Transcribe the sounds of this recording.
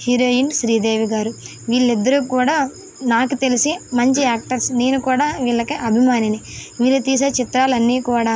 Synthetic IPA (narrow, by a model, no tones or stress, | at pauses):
hiɾoːjinʃɾiːd̪eːʋiɡaːɾu | ʋiːɭːid̪ːɐɾuːkuːɽaː | naːkut̪e̞lisimɐɲt͡ʃiaːk̚ʈɐɾsneːnukuːɽaːʋiːɭːɐkiʔɐbʱimaːniniʋiːɭːɐt̪iːs̬ɐt͡ʃit̪ɾaːlɐnːiːkuːɽaː